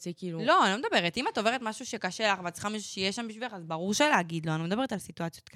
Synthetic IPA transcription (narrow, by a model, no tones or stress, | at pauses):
kilulo̞anaoed̪abe̞ʁet̪imat̪o̞ve̞ʁetmaʃuʃekaʃelaχvat̪t͡si̥χxamaʃu̥ʃejeʃambiʃviaχazbaʁuʁʃeleaɡid̪lo̞anomed̪abe̞etalsituat͡sjo̞t̪̚k